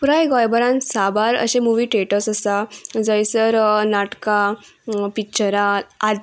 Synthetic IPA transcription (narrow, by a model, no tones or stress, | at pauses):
puɾajɡɔjbəɾãnsabaɾə̰ɕẽmuʋiːʈeʈəsəsad͡zəjsəɾnaʈka | pikt͡ɕəɾaa